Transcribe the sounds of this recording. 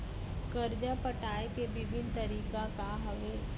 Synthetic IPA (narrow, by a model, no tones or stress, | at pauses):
kɐɾd͡ʒapəʈaːekeʋɪbʱɪnt̪ɐɾiːkakaɦɐʋe